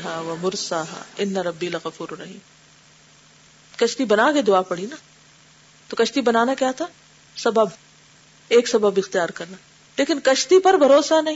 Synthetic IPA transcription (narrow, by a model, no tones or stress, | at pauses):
ɦaːʋɐmʊɾsaːɦa̰ːɪnːɐɾɐbːilɐɣɐfuːɾɾɐɦḭːm | kɐʃt̪ibɐnaːked̪ʊaːpɐɽina | t̪okɐʃt̪ibɐnaːnakjaːt̪ʰa | sɐbəb | eːksɐbəbɪxt̪ijaːɾkɐɾnaː | leːkɪnkɐʃt̪ipɐɾbʱɐɾoːsanɐɦĩ